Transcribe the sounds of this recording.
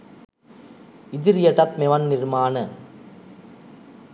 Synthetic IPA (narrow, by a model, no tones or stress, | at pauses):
ɪðɪɾjɐʈɐt̪̚mɛʋɐnːɪɾmaːnɐ